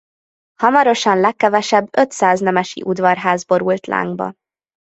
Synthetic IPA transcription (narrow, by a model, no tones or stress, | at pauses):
hɒmɒɾo̞ʃɒnlɛkːɛvɛʃɛbːøt̪saːznɛmɛʃḭʔud̪vɒrɦaːzbo̞ɾult̪la̰ːŋɡ̚bɒ̰